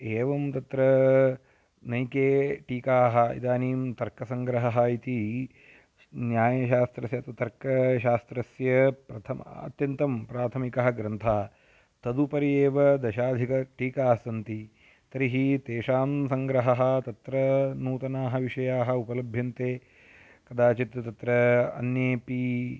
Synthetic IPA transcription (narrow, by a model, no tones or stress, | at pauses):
eːʋɐmt̪ɐt̪ɾɐ | nɐjkeːʈiːkaːɦɐ̆ḭd̪aːniːmt̪ɐɾkɐsɐŋɡɾɐɦɐɦɐit̪i | njaːjɐʃaːst̪ɾɐsjɐt̪ɐt̪ɐɾkɐʃaːst̪ɾɐsjɐpɾɐt̪ʰɐmɐ̰ɐ̰t̪jɐnt̪ɐmpɾaːt̪ʰɐmikɐɦɐɡɾɐnt̪ʰaːɐ | t̪ɐd̪upɐɾijeːʋɐd̪ɐʃaːd̪ʱikɐʈiːkaːsɐnt̪i | t̪ɐɾiɦit̪eːʂaːmsɐŋɡɾɐɦɐɦɐ̆t̪ɐt̪ɾɐnuːt̪ɐnaːɦɐʋiʂɐjaːɦɐ̆upɐlɐbʱjɐnt̪eː | kɐd̪aːt͡ʃit̪jɐt̪ɐt̪ɾɐɐ̰njeːpi